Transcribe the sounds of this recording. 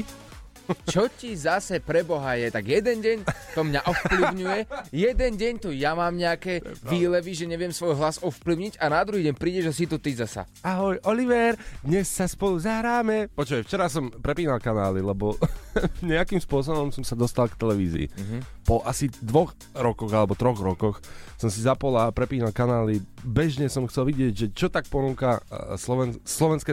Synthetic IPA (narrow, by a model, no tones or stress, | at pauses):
t͡ʃɔcizasɛpɾɛbɔɦajɛt̪aɡjɛd̪ɛnɟɛɲt̪ɔmɲaʔɔfpliʊɲujɛjɛd̪ɛnɟɛɲt̪ɔjamaːmɲɛakɛʋiːlɛʋiʒɛɲɛʋɪɛmsʋɔjɦlasɔfpliʊɲiɟanad̪ɾuɦiːɟɛɲpɾiːɟɛʒas̬it̪ut̪izasa̰ | aɦɔjʔɔliʋɛɾd̪ɲɛsːaspɔluzaɦɾaːmɛpɔt͡ʃʋɛft͡ʃɛɾas̬ɔmpɾɛpiːnalkanaːlilɛbɔ | ɲɛakimspʊɔs̬ɔbɔmsɔmsad̪ɔst̪alkt̪ɛlɛʋiːzḭːpɔʔasid̪ʋɔx | ɾɔkɔɣalɛbɔt̪ɾɔɣɾɔkɔxsɔmsizapɔlapɾɛpiːnalkanaːlibɛʒɲɛsɔmxtt͡sɛlʋiɟɪɛɟʒɛt͡ʃɔt̪ak̚pɔnuːkaslɔʋɛnslɔʋɛnskɛ